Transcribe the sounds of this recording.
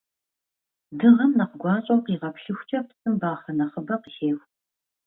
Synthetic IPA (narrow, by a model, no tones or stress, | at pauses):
dɨʁɐmnɐqəɡʷɑːɕʼowqiːʁɐpɬɨxʷt͡ʃʼɐpsʼɨmbaːχɐnɐχəbɐqəɬeːxʷ